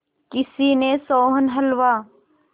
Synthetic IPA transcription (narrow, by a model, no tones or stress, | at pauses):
kɪsiːnesoːɦənɦɐlʋaː